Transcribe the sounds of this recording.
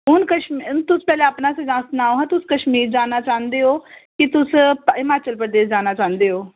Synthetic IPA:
ɦʊnkəʃmnt̪ʊspɛːlẽːəpnaːsezãːsnaːoːɦãːt̪ʊskəʃmiːɾd͡ʒaːnaːt͡ʃãːnd̪eːɦoːkɪt̪ʊsɪmaːt͡ʃəlpɾəd̪eːsd͡ʒaːnaːt͡ʃãːnd̪eːɦoː

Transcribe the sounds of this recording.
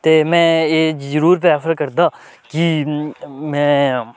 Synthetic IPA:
t̪eːmɛ̃ːeːzəɾuːɾpeaːfəɾkəɾd̪aː | ki | mɛ̃ː

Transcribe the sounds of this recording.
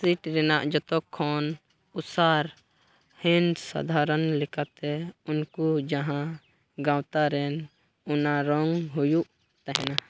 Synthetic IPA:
siʈɾɛnaʔd͡ʒɔt̪ɔkʰːɔn | usaɾ | hɛnsa̰d̪ʱaɾənlɛkat̪ɛunkud͡ʒaɦã | ɡãwt̪aɾɛn | unaɾɔŋɦujuʔ | t̪ɛɦɛna

